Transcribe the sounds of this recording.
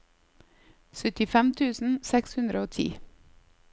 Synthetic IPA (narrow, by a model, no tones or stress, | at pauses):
sœt̪ɪfɛmt̪ʰʉːsn̩sɛkshʉnd̪ɾəoːt̪ʰḭː